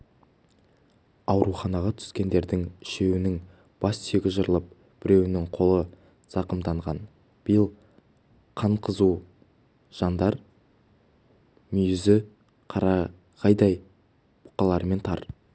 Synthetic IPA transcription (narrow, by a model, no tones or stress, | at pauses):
ɑwɾuχɑnɑʁɑt̪ʰʏ̥skʲe̞nd̪e̞ɾd̪ɪŋɪʃe̞wɪnɪŋ | b̥ɑsːeɡʲɪzʒəɾəlˠəp̚ | b̥ɪɾe̞wɪnɪŋqʰo̞lˠə | z̥ɑqəmd̪ɑɴʁɑn | b̥ɪjəlˠ | qʰɑɴqʰəzu | ʒ̥ɑnd̪ɑɾ | mʏjɪzɪ | qʰɑɾɑ | qʰɑjd̪ɑj | b̥ʊ̥qɑlˠɑɾme̞nt̪ʰɑ̰ɾ